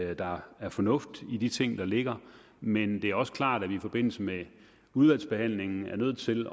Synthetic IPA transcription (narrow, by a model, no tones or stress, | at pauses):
d̥ɑ̈æɐfɒ̽nɔ̽fd̥id̥it͡sʰe̝ŋ̰d̥ɑ̈le̝ɡ̥ɐ | mend̥e̝æɐɒ̽sə̥kʰlɑ̰̈ːɾ̥æʋiifɒ̽b̥e̝n̰l̩səme | uðˠʋæl̰sb̥e̝hæn̰le̝ŋn̩æɐnøð̞̰̩ˠt͡sʰe̝l